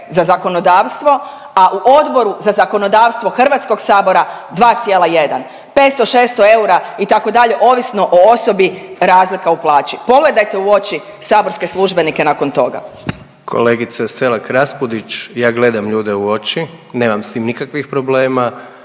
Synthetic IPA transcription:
zazako̞no̞d̪aːʋst̪ʋo̞ | aʔuʔo̞d̪bo̞ɾuzazako̞no̞d̪aːʋst̪ʋo̞xr̩ʋat̪sko̞ɡsaːbo̞ɾad̪ʋaːt̪sijeːlˠaje̞d̪an | pe̞ːt̪st̪o̞ʃe̞ːst̪o̞e̞uɾait̪ako̞d̪aʎe̞ʔo̞ːʋisno̞ʔoo̞so̞biɾaːzlikauplˠaːt͡ʃipo̞ɡle̞d̪ajt̪e̞uo̞t͡ʃi | saːbo̞ɾske̞slˠuʒbe̞nike̞nako̞nt̪o̞ɡa̰ | kʰo̞̰leɡit̪saselakɾaspud̪it͡ʃjaːɡle̞d̪amʎuːd̪euo̞t͡ʃi | neːmamst̪iːmnikakʋixpɾobleːma

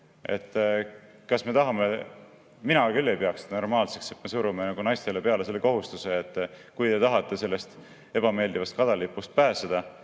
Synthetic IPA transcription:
e̞̰t̪ːˑ | kɑsme̞t̪ɑɦɑme | minɑkylːe̞jpeɑksno̞rmɑːlse̞kse̞t̪me̞suɾumenɑɡ̥unɑjst̪e̞le̞pe̞ɑle̞se̞lːe̞ko̞ɦust̪use̞et̪ˑːkujt̪e̞t̪ɑɦɑt̪ːˑe̞se̞lːe̞st̪ | e̞bɑme̞ːld̪̥ivɑst̪̚kɑd̪̥ɑlipːˑust̪̚pæːsed̪̥ɑ

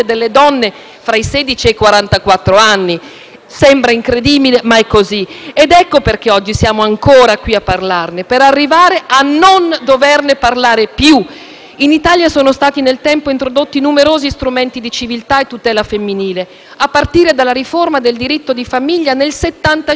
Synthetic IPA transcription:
ed̪elːed̪ɔnːe | fɾaisɛːd̪it͡ʃiekwaɾant̪akwat̪ːɾoanːi | sɛmbɾaiŋkɾed̪iːbilemaɛkozied̪ɛkːoperk̟eɔd͡ʒːisjaːmoaŋkoːɾakwiapːarlarnepeɾarːivaːɾeʔanːond̪overneparlaːɾepju | init̪aːljasoːnost̪aːt̪inelt̪ɛmpoint̪ɾod̪ot̪ːinumeɾoːzist̪ɾumɛnt̪id̪it͡ʃivilt̪aet̪ːut̪ɛːlafemːiniːle | apːart̪iːɾed̪alːaɾiformad̪eld̪iɾit̪ːod̪ifamiʎːanelset̪ːant̪a

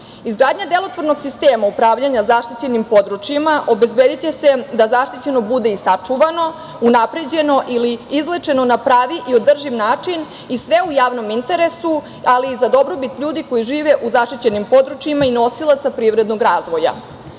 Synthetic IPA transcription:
izɡɾaːd̪ɲad̪e̞lˠo̞t̪ʋoɾno̞ɡsist̪eːmaupɾaːʋʎaɲazaʃt̪it͡ɕe̞nimpo̞d̪ɾut͡ʃjimaʔo̞be̞zbed̪it͡ɕe̞se̞d̪azaʃt̪it͡ɕe̞no̞bud̪e̞isat͡ʂuʋano̞ | unapɾe̞d͡ʑe̞no̞ʔiliizlet͡ʂe̞no̞napɾaːʋiʔio̞d̪r̩ʒimnaːt͡ʂin | isʋe̞ujaːʋno̞mint̪e̞ɾe̞su | aliːzad̪o̞bɾo̞bit̪ʎuːd̪iko̞jiʒiːʋeʔuzaʃt̪it͡ɕe̞nimpo̞d̪ɾut͡ʃjimaino̞silˠat̪sapɾiːʋɾe̞d̪no̞ɡɾaːzʋo̞ja̰

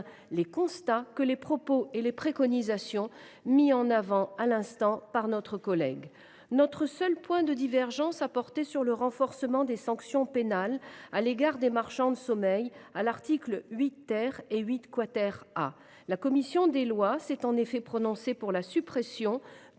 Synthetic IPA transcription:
lekɔ̃st̪akəlepχɔpoelepχekɔnizasjɔ̃ | miɑ̃navɑ̃alɛ̃st̪ɑ̃paʁnɔt̪χəkɔlɛ̰ɡ | nɔt̪χəsœlpwɛ̃d̪əd̪ivɛʁʒɑ̃sapɔʁt̪esyʁləʁɑ̃fɔʁsəmɑ̃d̪esɑ̃ksjɔ̃penalaleɡaʁd̪emaʁʃɑ̃d̪əsɔmɛjalaʁt̪iklɥit̪ːɛʁeɥit̪kwat̪ɛʁa | lakɔmisjɔ̃d̪elwasɛt̪ɑ̃nefɛpχɔnɔ̃sepuʁlasypχesjɔ̃

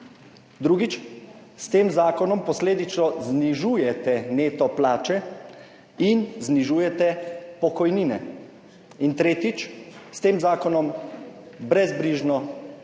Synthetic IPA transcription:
d̪ɾuːɡit͡ʃ | st̪eːmzaːkɔnɔmpɔsleːd̪it͡ʃnɔzniʒuːjɛt̪ɛneːt̪ɔplaːt͡ʃɛ | inzniʒuːjɛt̪ɛpɔkɔjniːnɛ̰ | int̪ɾeːt̪it͡ʃst̪eːmzaːkɔnɔm | bɾɛzbɾiːʒnɔ

